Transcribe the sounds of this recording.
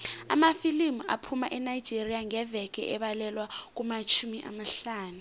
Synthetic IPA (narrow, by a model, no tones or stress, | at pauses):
a̰mafilimuʔa̰pʰumaʔɛnaid̥d͡ʒ̥ʱerijaŋɛvɛk̬ɛ̰ʔɛɓalɛlwak̬umat͡ʃʰumiʔa̰maɬaːnu